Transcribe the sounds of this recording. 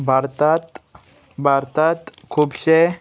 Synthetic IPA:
bʱaɾt̪at̪ | bʱaɾt̪at̪kʰubɕe

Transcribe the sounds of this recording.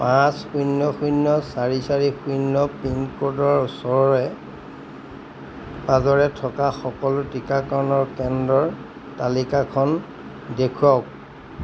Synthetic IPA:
pãsxujnːɔxujnːɔsaɹisaɹixujnːɔpiŋkodɔɹsɔɹɔɹɛ | pazɔɹɛtʰɔkaxɔkɔlʊtikakɔnɔɹkɛndɔɹ | talikakʰɔn | dekʰuɔk̚

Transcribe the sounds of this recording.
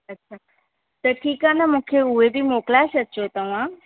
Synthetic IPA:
ətːʃʰa | t̪əʈʰiːkanamʊkʰjeuʋebʱimoklaʃəʃʰot̪əʋã

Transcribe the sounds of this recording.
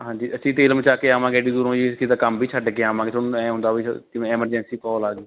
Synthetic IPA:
ɦãːɲd͡ʒiːʔəʃʰiːt̪eːlmət͡ʃaːkeːaːmãːɡɛːɖiːd̪uːɾõːd͡ʒiːtʰiːd̪aːkəmbʱiːt͡ʃʰəɖkeːaːmãːŋɡeːt̪ʰonũːɛ̃ːɦʊ̃nd̪aːʋḭːt̪ɪm̃ːɛːməɾd͡ʒɛ̃nsiːkɔːlaːɡeː

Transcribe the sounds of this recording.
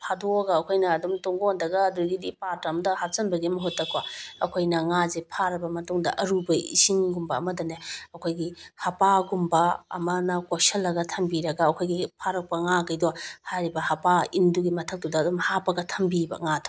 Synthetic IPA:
pʰadoɡɐːkʰojnɐːdumtoŋɡondɐɡɐːduɡidipaɾtɐmdɐhasɐnbɐɡimɐɦotːɐkwaɐkʰojnɐŋazepʰaɾɐbɐmɐtuŋdɐ̰ʔɐɾubɐḭsiŋɡumbɐːmɐdɐneɐkʰojɡihɐpaɡumbɐ̰ːmɐnɐkosɐlːɐɡɐtʰɐmbiɾɐɡɐːkʰojɡipʰaɾɐk̚pɐŋaɡɐjdɔhaɾibɐhɐpainduɡimɐtʰɐk̚tudɐːdumhapɐɡɐtʰɐmbibɐ̰ŋatʰo̥

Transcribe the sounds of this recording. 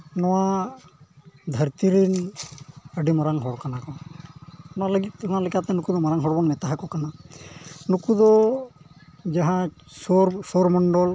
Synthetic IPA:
nɔwa | d̪ʱəɾt̪iɾin | əɖimaɾaŋɦɔɽkanakɔ | nɔaləɡit̪unalikʰat̪ɛnukud̪ɔmaɾaŋɦɔɽbɔnmɛt̪aɦakɔkana | nukud̪ɔ | d͡ʒaɦã | sɔɾsɔɾmɔɳɖɔl

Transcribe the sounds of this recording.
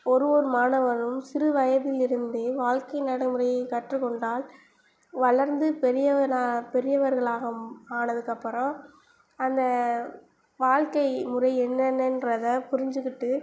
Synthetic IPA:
ɔɾɯʋɔɾɯmaːnɐʋɐɾɯmsɪɾɯʋɐjɐðɪlɪɾɯnd̪eʋaːɻkɐɪnɐɽɐɪmɯrɐjɐɪkɐʈrɯkːɔɳɖaːl | ʋɐɭɐɾnd̪ɯpɛɾɪjɐɐapɛɾɪjɐʋɐɾɣɐɭaːɣɐaːnɐðɯkːɐpːɯɾɐ̃ | ɐnd̪ɐ | ʋaːɻkɐɪmʊrɐɪɛnːɐnɛndrɐðɐpʊɾɪɲd͡ʒɯkːɪʈːɯ

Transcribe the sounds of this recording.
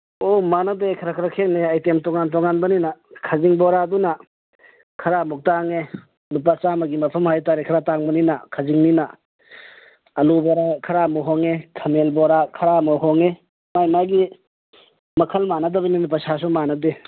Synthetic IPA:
omanadekʰɐɾakʰɾakʰek̚neɐjtemtɔŋant̬ɔŋanbɐninakʰaziŋbɔɾaduna | kʰɐɾamɔk̚taŋe | lup̬at͡ʃamɐɡimɐpʰɐmhajtaɾekʰɐɾataŋbɐninakʰaziŋnina | ɐlubaɾakʰɐɾamɔɦɔŋekʰɐmelbɔɾakʰɐɾamɔɦɔŋe | majmaɡi | mɐkʰɐlmanɐdɐbɐnimip̬ɐsas̬umanɐde

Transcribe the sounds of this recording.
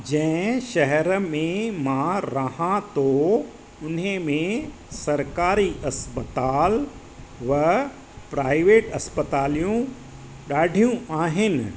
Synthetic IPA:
d͡ʑɐ̃ʃɐɦɛɾmẽmãɾɐɦãt̪o | ʊnemẽ | sɐɾkaːɾiʔɐspət̪aːl | ʋɐ | pɾaːɪʋeːʈɐspət̪aːlijũ | ɗaːɖʱijũaːɦɪnɪ̆

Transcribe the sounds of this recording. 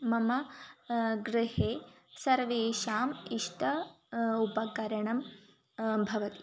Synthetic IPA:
mɐmɐ | ɡɾɪheː | sɐɾʋeːʃaːmiʂʈʰɐ | upɐkɐɾɐɳɐm | bʱɐʋɐt̪i̥

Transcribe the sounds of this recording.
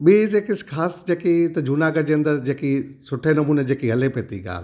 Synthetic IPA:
ɓizeːkɪskʰaːsd͡ʑeːkit̪ɐd͡ʑʱuːnaːɡəd͡ʑeːɐ̃nd̪əɾd͡ʑeːkisʊʈʰenɐmuːned͡ʑeːkiɦɐlepeːt̪iɡa̰ːl

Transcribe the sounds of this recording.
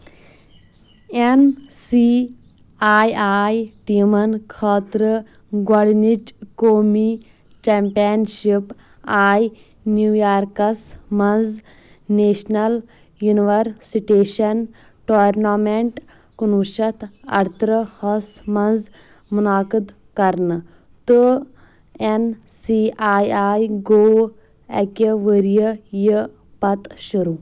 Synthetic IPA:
ensi | aːjaːjʈimɐnkʰaːt̪ɾə | ɡwɐɽnit͡ʃkoːmi | t͡ʃeːmpijɐnʃip | aːj | njuːjaːɾkɐsmɐnz | neːʃnɐl | juniʋɐɾsiʈeːʃɐn | ʈoːɾnameɳʈ | kunuʃɐt̪ʰɐ̰ɽt̪ɾəhɐsmɐnz | munaːkəd̪ | kɐɾn | t̪ɨ | en | siaːjaːjɡoː | ɛ̰kəʋəɾjəjə | pɐt̪ʃuɾu

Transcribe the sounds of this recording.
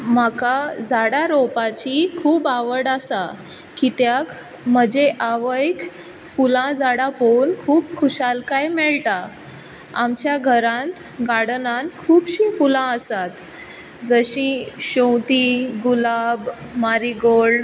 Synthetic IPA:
makad͡zaɽaɾopat͡ɕikʰuːbaʋəɽasa | kit̪jak | m̤əd͡ʑeʔaʋəik | fulãd͡zaɽaponkʰuːpkʰuɕalkajmɛɭt̪a | a̰mt͡ɕjaɡʱəɾãnt̪ | ɡaɽnãnkʰuːbɕĩfulãəsat̪ | d͡zəɕĩɕõwt̪iɡulabmaɾiɡoɭ

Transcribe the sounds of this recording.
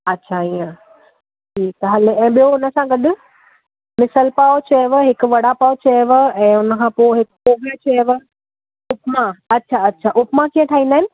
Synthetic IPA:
ɐtːɕʰaijə̃ | ʈʰiːk̚t̪ɐɦɐlɛ̃ːɓijoʊnəsãɡɐɗʊ̆ | mɪsəlpaːot͡ɕɐʋəɦɪkʊ̆ʋɐɽapaːot͡ɕɐʋəɛ̃ːʊnəkʰãːpoːɪɦɪkpoːʋət͡ɕɐʋə̆ | ʊpmãɐtːʃʰaɐtːɕʰaʔʊpmãkiːə̃ʈʰaːɦĩnd̪aːɪnɪ̆

